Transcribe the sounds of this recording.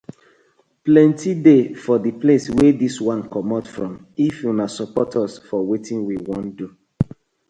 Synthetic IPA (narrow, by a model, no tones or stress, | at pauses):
plɛ̃ntidefɔdipleswɛdiswãnkɔmatfɹɔ̃m | ifjunasɔpɔtʰɔsfɔwetʰĩnwiwɔ̃ndu